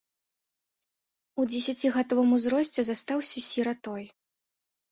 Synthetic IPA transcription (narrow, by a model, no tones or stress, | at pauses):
ud͡zʲɛsʲat͡sʲiɣat̪ɔvɨmuzɾɔsʲt͡sʲɛzast̪awsʲɐsʲiɾat̪ɔj